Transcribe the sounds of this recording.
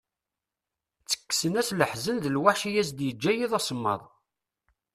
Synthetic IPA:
t͡sːə̥kːsənæsləħzənðəlwaħʃijæzd̪jəd͡ʒːæjiðˤɑsˤəmːɑ̰ðˤ

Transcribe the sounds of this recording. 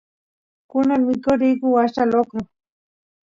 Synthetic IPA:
kʊnaŋmɪkʊɾɪjkʊwaʃt̪alokʊ

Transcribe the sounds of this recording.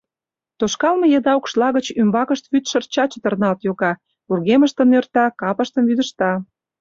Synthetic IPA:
t̪oʃkɑlmɤ̆jed̪ɑokʃlɑɣət͡ɕymbɑkəʃt̪βyt̪ʃərt͡ɕɑt͡ɕət̪ə̆rnɑlt̪joɣɑ | urɣeməʃt̪ənørt̪ɑkɑpəʃt̪əmβyd̪əʃt̪ɑ

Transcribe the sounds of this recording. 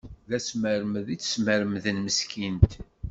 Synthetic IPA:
ðæsməɾməðit͡sːsməɾmðənməskʰint̪

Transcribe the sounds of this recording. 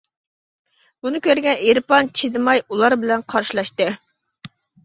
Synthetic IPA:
bunɨkʲʰøɾɡʲɛneɾpɑnt͡ʃʰid̪ɨmɑjulˠɑɾbɪlɛnqʰɑɾʃilˠɑʃt̪ɨ

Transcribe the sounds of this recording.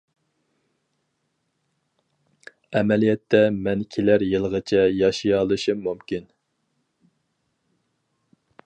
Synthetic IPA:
ɛmɛlijɛt̪ʰːɛmɛnkʲʰelæɾjɨlˠəʁət͡ʃʰɛjɑʃijɑlˠɨʃɨmumkʲin

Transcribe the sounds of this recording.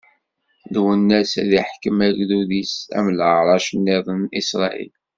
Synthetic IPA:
ðwənːæsæðiħkəmæɡðuðisæ̰mləɾˤɑʃənːiðˤnisɾˤɑʔḭl

